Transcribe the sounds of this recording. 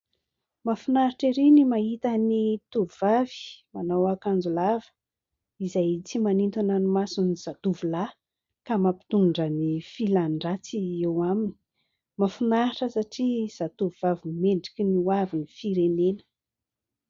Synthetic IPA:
mafunaɾiʈ͡ʂiɾinimaɦit̪ənit̪uvvavi̥manawakand͡zulavə̥ | izajt͡simanint̪unanumasuniz̥at̪uvula | kamapi̥t̪unɳɖ͡ʐənifilaɳɖ͡ʐat͡siewamini̥ | mafunaɾiʈ͡ʂəsaʈ͡ʂiz̥at̪uvuvavimeɳɖ͡ʐikiniwavinifiɾenenə̥

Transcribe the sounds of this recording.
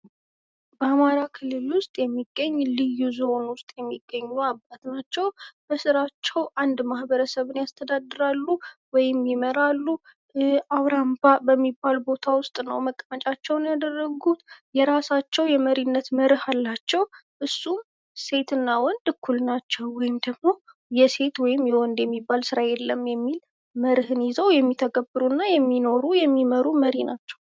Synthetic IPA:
bəamaɾakʰɨlːɨlwʊst̪ʼjɛmːiɡːəɲːlɨjuzonwʊst̪ʼjɛmːiɡːəɲːuabːat̪nat͡ʃːɛwb̥əsɨɾat͡ʃːɛwʔand̪mahbəɾəsəβɨnjast̪ʰəd̪ad̪ːɨɾalːuwɔjɪmjɪməɾalːu | aβɾambabəmːibːalbo̞t̪ʰawʊst̪ʼnə̰wməkʼmət͡ʃʼat͡ʃːɛwnjad̪ərːəɡut̪jɛɾasat͡ʃːɛwjɛməɾinːət̪məɾɨhalːat͡ʃːɛwʔɨsːum | se̞t̪ɨnːawɔnd̪ɨkʰːulnat͡ʃːɛwːɔjɪmd̪əɡmo̞ | jɛse̞t̪wɔjɪmːjɛwɔnd̪jɛmːibːalsɨɾajɛlːəmjɛmːil | məɾɨhɨnjɪzəwjɛmːit̪ʰəɡəbɨɾunːajɛmːino̞ɾujɛmːiməɾuməɾinat͡ʃːɛw

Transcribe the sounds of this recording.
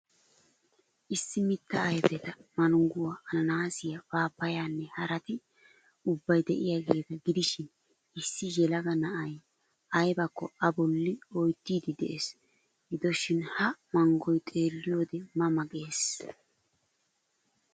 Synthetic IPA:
ʔɪsːɪmɪt̪ːɐːjbɛt̪ɐmɐnʊŋɡʊwaʔɐnɐnaːsɪjɐbaːpːɐjaːnːɛhɐɾɐt̪ɪ | ʊbːɐjd̪ɛʔɪjaɡeːt̪ɐɡɪd̪ɪʃɪn | ɪsːɪjɛlɐɡɐnɐʔɐj | ʔɐjbɐkːɔɐbɔlːɪɔjt̪ːiːd̪ɪd̪ɛ̰ʔes | ɡɪd̪ɔʃɪnhɐmɐŋɡɔjt̪ʼe̞ːlːɪjoːd̪ɛmɐmɐkʼeːs

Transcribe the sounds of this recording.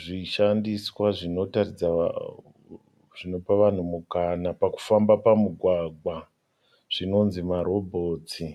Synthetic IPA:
ʐiʃandiswaʐino̞tarid͡za̰ | ʐ̥ino̞paʋan̤umukanapaku̥fambapamuɡʱwaɡʱwa | ʐ̥ino̞nzimaɾo̞bʱo̞ːt͡si

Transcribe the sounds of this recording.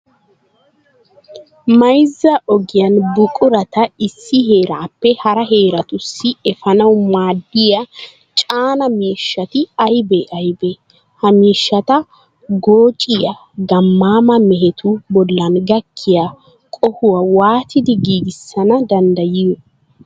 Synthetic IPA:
mɐjzːɐʔɔɡɪjɐnbʊkʼʊɾɐt̪ɐɪsːɪɦeːɾaːpːɛhɐɾɐɦeːɾɐt̪ʊsːɪɛfɐnɐwmaːd̪ːɪjɐ | t͡ʃʼaːnɐmiːʃːɐt̪ɪɐjbɛʔɐjbɛ | hɐmiːʃːɐt̪ɐ | ɡo̞ːt͡ʃʼɪjɐ | ɡɐmːaːmɐmɛɦɛt̪ʰʊbɔlːɐnɡɐkʰːɪja | kʼɔhʊwɐwaːt̪ɪd̪ɪɡiːɡɪsːɐnɐd̪ɐnd̪ɐjɪjɔ

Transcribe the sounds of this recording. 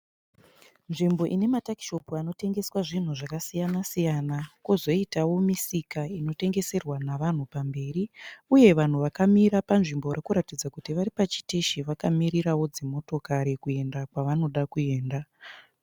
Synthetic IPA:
nʐimbo̞ʔine̞mataki̥ʃo̞puano̞te̞ŋɡe̞swaʐin̤uʐakasijanasijanakuzo̞itawo̞misikaino̞te̞ŋɡe̞se̞rwanaʋan̤upambe̞ːɾiuje̞ʋan̤uʋakamiɾapanʐimbo̞rakuɾatid͡zakutiʋaɾipat͡ʃi̥teʃiʋakamiɾirawo̞d͡zemo̞to̞kaɾekue̞ndakwaʋano̞ɗakue̞ːnda

